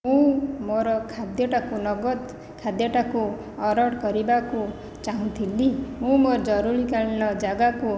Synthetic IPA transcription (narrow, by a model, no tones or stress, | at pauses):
mũmoɾʌkʰad̪jeʈakunʌɡʌd̪ | kʰad̪jaʈaku | ʌɾʌʈɡʌɾibako | t͡ʃaɦũt̪ʰilːimũmoɾd͡ʒʌɾuɾikalnʌd͡ʒaɡaku